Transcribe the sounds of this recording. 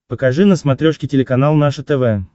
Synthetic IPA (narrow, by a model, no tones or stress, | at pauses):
pəkaʐɨnəsmɐt̪ɾʲoʂkʲɪtʲɪlʲɪkanalˠnaʂət̪ɛvɛ